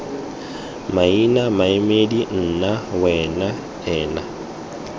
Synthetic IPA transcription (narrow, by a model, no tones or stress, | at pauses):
mainamaemedin̩ːnawɛːna | ɛːna